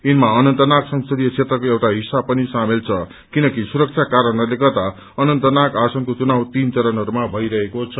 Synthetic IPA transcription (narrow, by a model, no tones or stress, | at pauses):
inmaʌnʌnt̪ʌnaksʌŋsʌd̪ijʌt͡sʰet̪ɾrʌkoewʈaɦisːabpʌnisamelt͡sʰʌ | kinʌkisuɾʌk̚t͡sʰakaɾʌnʌrlekʌt̪a | ʌnʌnt̪ʌnakasʌŋkot͡sunawt̪int͡sʌɾʌnɦʌɾumabʱʌjɾʌɦekot͡sʰʌ